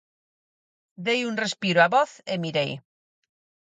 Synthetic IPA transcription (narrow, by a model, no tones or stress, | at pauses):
d̪ejunrespiɾoaβɔθemiɾḛj